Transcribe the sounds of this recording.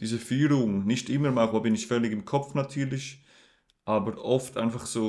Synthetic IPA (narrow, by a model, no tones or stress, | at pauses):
d̥iːzəfyːɾʊŋnɪçtɪməɾmaχoːbɪnɪçfœlɪɡɪmkʰɔp͡fnatʰyːɾlɪç | ʔaːbəɾʔɔftʔa̰ɪnfaχsoː